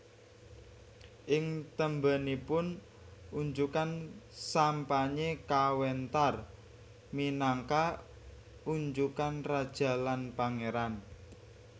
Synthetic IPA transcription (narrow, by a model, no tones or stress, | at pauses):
ʔɪŋt̪əmbənipʊn | uɲd͡ʒukansampaɲekawɛnt̪ar | minaŋka | uɲd͡ʒukanrad̥ʒ̥a̤lanpaŋeɾan